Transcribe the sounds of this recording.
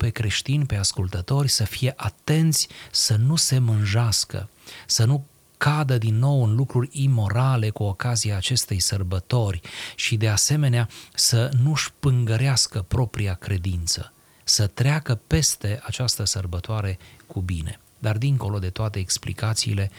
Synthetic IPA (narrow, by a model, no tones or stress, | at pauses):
pe̞kɾe̞ʃt̪inʲpe̞askult̪ət̪o̞rʲsəfije̞ʔat̪e̞nt̪sʲsənuse̞mɨnʒaskə̰sənu | kad̪əd̪inːo̞wɨnlukɾurʲimo̞ɾale̞kuo̞kaziaːt͡ʃe̞st̪e̞jsərbət̪o̞rʲʃid̪e̞ase̞me̞neasənuʃpɨŋɡəɾeaskəpɾo̞pɾiakɾe̞d̪int̪sə̰ | sət̪ɾeakəpe̞st̪e̞at͡ʃast̪əsərbət̪oaɾe̞kubḭne̞̰ | d̪ard̪iŋko̞lo̞d̪e̞t̪oat̪e̞ːksplḭkat̪sḭːle̞